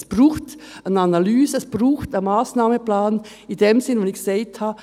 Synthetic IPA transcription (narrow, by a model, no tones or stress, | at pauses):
sb̥ruːxt | ənanalyːzəɛsb̥ruːxtənmaːsnaːməplaːn | ɪndeːmsɪnʋonɪçseɪtʰhaː